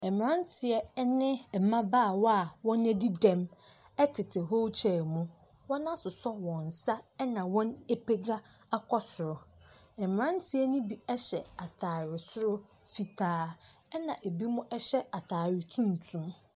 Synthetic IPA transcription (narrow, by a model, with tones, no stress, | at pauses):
ɛ˨mɪ̃˨ã˦ntʰɪ˨ɛ˦nɪ̃˦˨mã˦baː˦˨wɔ˦a˨wɔ̃˦næ˦di˦dɛ̃˦m | ɛ˦tʰɪ˨tʰɪ˨ɦo˦wt͡ɕʰɛ˨mũ˦ | wɔ̃˦nã˦sʊ˨sɔ˦wɔ̃˨n˨sa˦ɛ˦nã˨wɔ̃˦ne˦pʰe˦d͡ʑa˦a˦kʰɔ˦sʊ˨ɾʊ˨ | ɛ˨mɪ̃˨ɾã˦ntʰɪ˨˦ɛ˦nʊ̃˦bi˨ɛ˦ɕɛ˨a˨tʰaː˨ɾɪ˨sʊ˦ɾʊ˦ | fi˨tʰaː˨˦ | ɛ˦nã˨ʔe˨bi˦mʊ̃˦ʔɛ˦ɕɛ˦a˨tʰaː˨ɾɪ˨tʰũ˦n˨tʰũ˦m